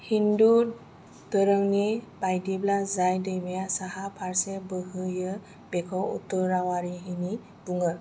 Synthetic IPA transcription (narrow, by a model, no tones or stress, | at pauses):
hindu | d̪əɾəŋnibajdiblazajdəjmijasaɦapʰaɾsebəɦɯjə | bekʰɔwṵt̪ɔɾawaɾiɦini | buŋə